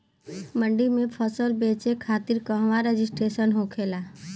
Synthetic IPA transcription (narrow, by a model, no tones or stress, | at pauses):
mə̃ɳɖimẽpʰəsəlbeːt͡ʃekʰaːt̪ɪɾkəɦʋaɾed͡ʒɪsʈɾeːʃənɦoːkʰeːlaː